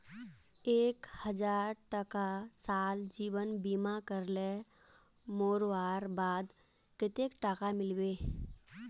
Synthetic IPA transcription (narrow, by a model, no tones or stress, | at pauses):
eːkhəd͡ʒaːɾʈəkasaːld͡ʒiːwənbiːmakəɾle | moːɾʋaːɾbaːd̪ | kɪt̪eːkʈakamɪlweː